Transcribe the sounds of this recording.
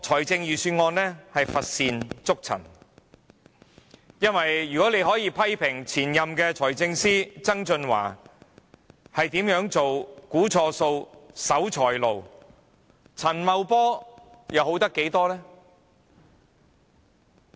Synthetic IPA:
t͡ʃʰɔː˨˩jt͡sɪ˧ŋjyː˨syː˧nŋɔː˧nlɛː˥hɐ˨jfɐ˨t̚siː˨nt͡sʊ˥k̚t͡sʰɐ̰˨˩n | jɐ˥nwɐ˨jɥyː˨˩kɔː˨˥le˨˧jɦɔː˨˥jiː˧pʰɐ˥jpʰɪ˨˩ŋt͡sʰiː˨˩njɐ˨mkɛː˧t͡sʰɔː˨˩jt͡sɪ˧ŋsiː˥t͡sɐ˥ŋt͡ʃɵ˧nwa̰ː˨˩ | hɐ˨jt̪iː˨˥mjœː˨˥ŋt͡so˨wkuː˨˥t͡ʃʰɔː˧so˧wsɐ˨˥wt͡ʃʰɔː˨˩jlo˨˩w | t͡sʰɐ˨˩nmɐ˨˧wpɔː˥ | jɐ˨˧who˨˥wt̪ɐ˥kːe˨˥jt̪ɔː˥lɛː˥

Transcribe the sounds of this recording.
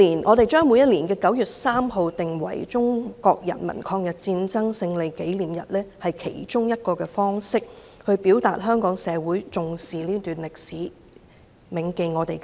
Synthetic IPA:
liː˨˩nʔɔ̰ː˨˧ɾe˨jt͡ʃœː˥ŋmu˨˧˥jɐ˥t̚liː˨˩nkɛː˧kɐ˨˥wjyː˨t̚saː˥mɦo˨˧wt̪ɪ˨ŋwɐ̰˨˩jt͡ʃʊ˥ŋkɔː˧k̚jɐ̰˨˩nmɐ̰˨˩nkʰɔː˧ŋjɐ˨t̚t͡siː˧nt͡sɐ˥ŋsɪ˧ŋle˨jke˨˥jliː˨˩mjɐ˨˩t̚lɛː˥hɐ˨jkʰḛ˨˩jt͡ʃʊ˥ŋjɐ˥t̚kɔː˧kɛː˧fɔː˥ŋsɪ˥k̚hɵ˧ɥpiː˨˥wt̪aː˨t̚ɦœː˥ŋkɔː˨˥ŋsɛː˨˧wuː˨˥jt͡sʊ˨ŋsiː˨liː˥t̪yː˨˩nlɪ˨k̚siː˨˥ | mɪ˨˥ŋke˧jŋɔː˨˧t̪e˨j

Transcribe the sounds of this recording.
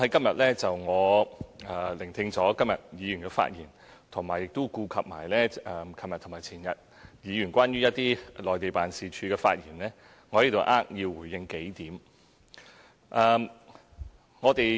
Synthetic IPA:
hɐ˨˥jkɐ˥mjɐ˨t̚lɛː˥t͡sɐ˨wŋɔː˨˧ʔɛː˨˩lɪ˨˩ŋt̪ʰɪ˧ŋt͡sɔː˨˥kɐ˥mjɐ̰˨t̚jiː˨˧jyː˨˩nkɛ˧fa̰ː˧t̚jiː˨˩n | t̪ʰʊ˨˩ŋmaː˨˩jɪ˨k̚t̪o˥kuː˧kʰɐ˨p̚maː˨˩jlɛː˥˧kʰɐ˨˩mjɐ˨tʰmaː˨jt͡sʰiː˨˩njɐ˨t̚ | jiː˨˧jyː˨˩nkʷwʷaː˥nɥyː˥jɐ˥t̚t̪iː˥lɔː˨jt̪e˨jpaː˨nsiː˨˩t͡ʃʰyː˨˧kɛː˧fa̰ː˧t̚jiː˨˩nlɛː˥ | ŋɔː˨˧lt̪o˨wʔaː˥k̚ji˧wwuː˨˩jːɪ˧ŋke˨˥jt̪iː˨˥m | ʔɛː˨˧m | ŋɔː˨˧t̪e˨j

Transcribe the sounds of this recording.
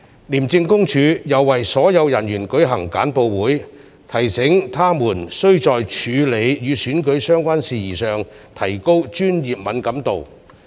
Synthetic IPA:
liː˨˩mt͡sɪ˧ŋkʊ˥ŋt͡ʃʰyː˨˧jɐ˨˩wːɐ˨jsɔː˨˥jɐ˨˧wjɐ˨˩njyː˨˩nkɵ˨˥ɥɦɐ˨˩ŋka̰ː˨˥npo˧wwuː˨˥j | t̪ʰɐ˨˩jsɪ˨˥ŋt̪ʰaː˥muː˨˩nsɵ˥ɥt͡sɔː˨jt͡ʃʰyː˨˧le˨˧jjyː˨˧syː˨˥nkɵ˨˥ɥsœː˥ŋkʷaː˥nsiː˨jiː˨˩sœː˨˩ŋ | t̪ʰɐ˨˩jko˥wt͡ʃyː˥njiː˨p̚mɐ˨˥nkɐ˨˥mt̪o˨w

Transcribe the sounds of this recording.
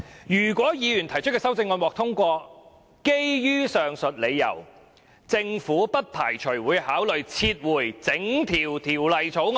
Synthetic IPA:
jyː˨˩kʷɔː˨˥jiː˨˧jyː˨˩nt̪ʰɐ˨˩jt͡ʃʰɵ˥t̚kɛː˧sɐ˥wt͡sɪ˧ŋːɔː˧nwɔː˨k̚t̪ʰʊ˥ŋkʷɔː˧ | ke˥jjyː˥sœː˨ŋsɵ˨t̚le˨˧jːɐ̰˨˩w | t͡sɪ˧ŋfuː˨˥pɐ˥t̚pʰaː˨˩jt͡ʃʰɵ˨˩wuː˨˧jhaː˨˥wlɵ˨ɥt͡sʰiː˧t̚wuː˨˩jt͡sɪ˨˥ŋt̪ʰiː˨˩wt̪ʰiː˨˩wlɐ˨jt͡sʰo˨˥wŋ

